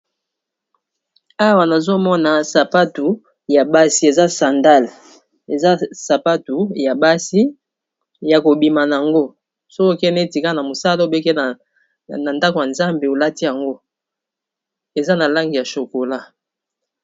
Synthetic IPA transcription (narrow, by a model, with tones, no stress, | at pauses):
a˦wa˨na˨zo˦mɔ˦na˨sa˨pa˦tu˨ | ja˨ba˦si˦e˨za˦sa˨nda˦l | e˨za˦sa˨pa˦tu˨ja˨ba˦si˦ | ja˨ko˨bi˨ma˨na˨a˨ŋɡo˦ | so˦ko˦kɛ˦nɛ˦˨ti˨ka˦na˨mo˨sa˦lo˦o˦˨be˦kɛ˦˨ | na˨nda˦ko˨ja˨nza˦mbe˨o˨la˦ti˦ja˨ŋɡo˦ | e˨za˦na˨la˦ŋɡi˨ja˨ʃo˨ko˨la˦